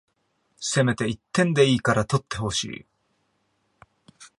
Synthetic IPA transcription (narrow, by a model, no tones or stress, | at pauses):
se̞me̞t̪e̞it̪ːẽ̞nd̪e̞iːkaɾat̪o̞t̪ːe̞ho̞ɕḭː